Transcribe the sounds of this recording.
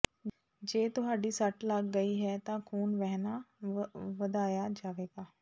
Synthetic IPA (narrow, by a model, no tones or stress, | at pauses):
d͡ʒeːt̪ʊɦaːɖiːsəʈlək̚ɡəiːɦɛːt̪ãːkʰuːnʋɛɦnaː | ʋəd̪aːjaːd͡ʒaːʋeːɡaː